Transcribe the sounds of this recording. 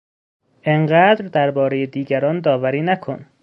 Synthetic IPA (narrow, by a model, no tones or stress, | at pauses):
ʔeɴɢæːd̪ɾd̪æɾbɒːɾe̞jed̪iːɟæɾɒːnd̪ɒːvæɾiːnækʰon